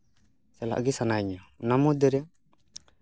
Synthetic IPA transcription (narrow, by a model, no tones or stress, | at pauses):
sɛla̰ʔɡisanaɲɔnamɔd̪ɛɾɛ